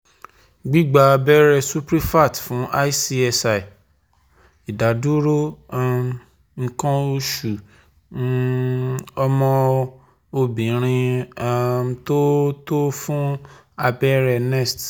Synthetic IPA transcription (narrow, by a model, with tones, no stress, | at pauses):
ɡ͡bi˦ɡ͡ba˧a˧bɛ˦ɾɛ˧su˦pɾi˦fa˦˨tfũ˨˦ʔa˦i˦si˧ɛ˧sa˧˨i˨ | i˨da˨˦du˦ɾo˦a˦m | ŋ̩˧kã˦o˧ʃu˨˦ | ɔ˧mɔ̃˧ | o˧bĩ˨˦ɾ̃ĩ˧a˦˧to˦to˦fũ˦ | a˧bɛ˦ɾɛ˧nɛ˦˨st